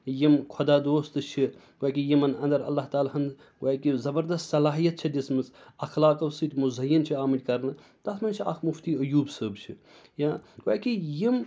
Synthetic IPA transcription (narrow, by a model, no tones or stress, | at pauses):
jimkʰod̪aːd̪oːst̪ɨt͡ʃʰi | ɡakijimɐnɐnd̪ɐɾɐ̰lːaːɦt̪aːlaɦɐnd̪ | ɡɐːkizɐbɐɾd̪ɐst̪sɐlaːɦijɐt̪̚t͡ʃʰɐd̪ʲismɨsɐxlaːkɐwsɨt̪ʲmuzɐjːɐnt͡ʃʰiaːmɐd͡ʒʲkɐɾnɨ | t̪ɐsmɐnt͡ʃʰia̰kʰmuft̪iːɐjuːbsəːbt͡ʃʰijãːɡa̰ːkijim